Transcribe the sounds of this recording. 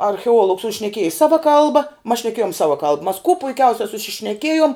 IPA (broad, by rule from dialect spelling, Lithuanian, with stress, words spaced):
ɐrʲxʲɛˈuɔlˠʊks ʊ ʃʲnʲɛˈkʲiɛjɪ ˈsɑːʋɐ ˈkɐlˠbɐ mɐs ʃʲnʲɛˈkʲeːjoːm ˈsɑːʋɐ kɐlˠp mɐs kuɔ pʊɪˈkʲɛʊsʲɛ sʊʃʲɪʃʲnʲɛˈkʲeːjoːm